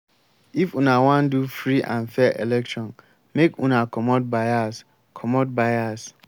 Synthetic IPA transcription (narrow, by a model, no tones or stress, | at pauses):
ifũnawãndufɾiʔã̰nfɛʔelɛk̚tʰɔ̃n | mekũnakʰɔmɔt̚baas | kʰɔmɔt̚baɪas